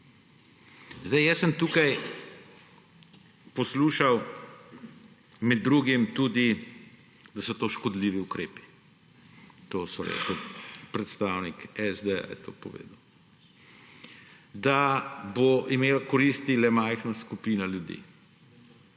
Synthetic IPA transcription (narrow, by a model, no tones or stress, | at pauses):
zd̪ajɛsəmt̪uːkaj | pɔsluːʃaw | mɛd̪ːɾuɡimt̪ud̪i | d̪asɔt̪oːʃkɔd̪liːʋiukɾeːpi̥ | t̪oːsɔɾḛkʊlpɾɛt̪st̪awnikɛzd̪ea̰jt̪ʰo̰ːpɔʋḛːd̪əw | d̪aboʔimeːlakɔɾist̪ilɛmajxnaskupiːnaljud̪ḭː